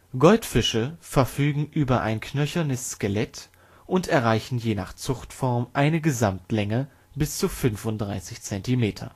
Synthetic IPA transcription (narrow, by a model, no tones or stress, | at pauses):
ɡ̥ɔltfɪʃəfɛɐfyːɡŋ̩ʔyːbɐʔa̰ɪnkʰnœçɐnəsːkəlɛt | ʔʊntɛɐʁaɪçn̩jeːna̰ːχt͡sʊχtfɔɐmʔaɪnəɡəzamtlɛŋə | bɪst͡sufʏnfʊntd̥ʁaɪsɪçt͡sɛntimeːtʰɐ̰